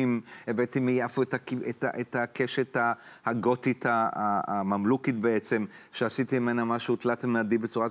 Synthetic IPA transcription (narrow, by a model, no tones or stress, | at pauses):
imevet̪imijafuet̪akieta̰ʔet̪akeʃet̪ahaɡot̪it̪aaamamlukit̪̚beet͡se̞mʃeasit̪imimenamaʃut̪latemadibet͡suʁa